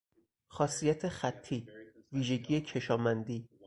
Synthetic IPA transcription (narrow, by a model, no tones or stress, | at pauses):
xɒːsijæt̪ʰexæt̪ʰːiːviːʒe̞ɟiːjecʰe̞ʃɒːmænd̪iː